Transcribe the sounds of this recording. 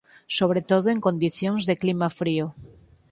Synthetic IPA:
soβ̞ɾet̪oðoeŋkond̪iθjoŋzðeklimafɾio

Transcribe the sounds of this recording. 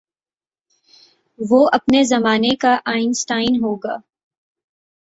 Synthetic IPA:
ʋoɐpnezɐmaːnekaʔaːɪnsʈaːɪnɦoːɡaː

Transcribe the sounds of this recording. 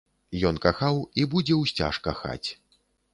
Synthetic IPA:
jɔnkaxawibud͡zʲɛwsʲt͡sʲa̰ʂkaxa̰t͡sʲ

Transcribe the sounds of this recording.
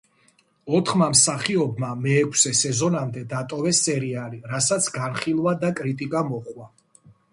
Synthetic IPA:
ɔt̪ʰχmamsaχiɔbmamɛːkʰsɛsɛzɔnamd̪ɛd̪at̪ʼɔvɛsɛɾialiɾasat̪sʰɡanχilˠwad̪akʼɾit̪ʼikʼamɔχwa

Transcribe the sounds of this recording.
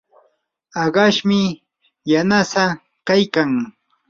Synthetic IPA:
ɑɢɑʃmɪ | janasa | kajkaŋ

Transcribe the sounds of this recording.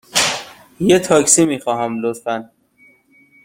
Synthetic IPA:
jet̪ʰɒːksimiːxɒːɦæmlot̪fæn

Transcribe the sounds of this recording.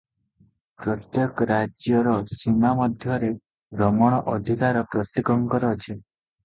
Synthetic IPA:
pɾɔt̪jɔkɾad͡ʒjɔɾɔsimamɔd̪ʱjɔɾe | ɡɾɔmɔɽ̃ɔʔɔd̪ʱikaɾɔpɾɔt̪ːikɔŋkɔɾɔt͡ʃʰe

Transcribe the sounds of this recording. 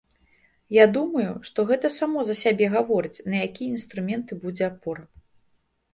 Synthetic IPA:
jad̪umɐjuʂt̪ɔɣɛt̪ɐsamɔzɐsʲabʲɛɣavɔɾɨt͡sʲnɐjakʲijɐinst̪ɾumʲɛnt̪ɨbud͡zʲɛapɔr

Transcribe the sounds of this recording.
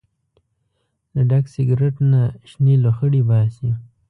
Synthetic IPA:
ləɖaksɪɡɾeʈnaʃneloxəɽibɑsi

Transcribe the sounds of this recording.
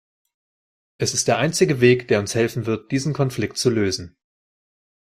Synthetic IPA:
ʔɛsɪstd̥eːɐʔaɪnt͡sɪɡəveːkd̥eːɐʊnshɛlfn̩vɪɐt̚d̥iːzn̩kʰɔnflɪktt͡suløːzn̩

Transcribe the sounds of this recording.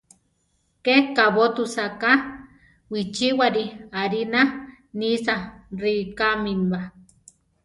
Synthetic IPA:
kekaβot̪usaka | wit͡ʃiwaɾiaɾina | nisarikamimba

